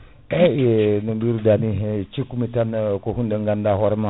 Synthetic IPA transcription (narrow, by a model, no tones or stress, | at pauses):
eenumbiɾudaniɦet͡ʃikumitanakohundaŋɡandaɦoɾma